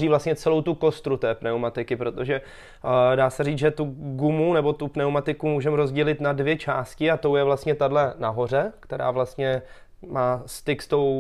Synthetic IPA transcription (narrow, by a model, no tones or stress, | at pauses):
iːvlastɲɛt͡sɛlo̞wt̪uko̞st̪ɾut̪ɛːpnɛumat̪ɪkɪpɾo̞t̪o̞ʒɛ | daːsɛɾiːt͡sʒɛt̪uɡumunɛbo̞t̪upnɛwmat̪ɪkumuːʒɛmɾo̞zɟɛlɪt̪nadvjɛt͡ʃaːscɪat̪o̞wjɛvlast̪ɲɛt̪adlɛnaɦo̞r̝ɛkt̪ɛɾa̰ːvlast̪ɲɛ | maːst̪ɪkst̪o̞w